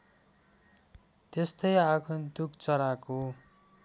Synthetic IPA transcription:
t̪est̪ʌjakʰund̪ukʰt͡sʌɾako

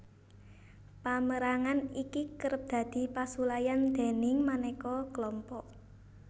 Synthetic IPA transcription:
paməɾaŋanikikəɾəp̚d̪̥ä̤d̪̥i̤pasulajand̪̥e̤nɪŋmanɛkɔkəlɔmpɔʔ

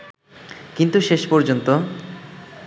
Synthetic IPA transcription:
kint̪uʃeʃpɔɾd͡ʑont̪o

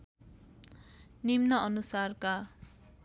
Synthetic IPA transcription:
nimnʌʌnusarka

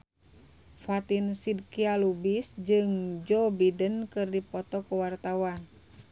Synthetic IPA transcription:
fat̪insid̚kialubisd͡ʒɨŋd͡ʒɔbidənkɨrdipɔt̪ɔkuwart̪awan

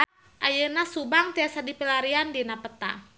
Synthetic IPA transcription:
ʔajənasubaŋt̪iasadipəlaɾiandinapət̪a̰

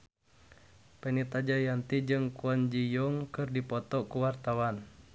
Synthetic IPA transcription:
pɛnit̪ad͡ʒajant̪id͡ʒɨŋkuɔnd͡ʒijuŋkɨrdipɔt̪ɔkuwart̪awan

